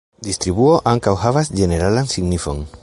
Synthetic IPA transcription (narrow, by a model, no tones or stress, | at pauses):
d̪ist̪ɾiβuoʔaŋkawhavasd͡ʒe̞ne̞ɾalansiɡnifon